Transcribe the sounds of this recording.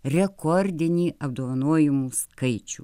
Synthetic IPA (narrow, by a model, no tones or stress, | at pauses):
ɾʲɛkɔɾʲd̪ʲɪnʲiːʔɐb̚d̪oːʋɐnuɔjɪmuskɐɪt͡ʃʲṵː